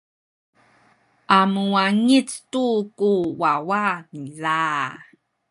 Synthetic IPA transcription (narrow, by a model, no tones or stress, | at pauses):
ʔamuwaŋit͡stukuwawanila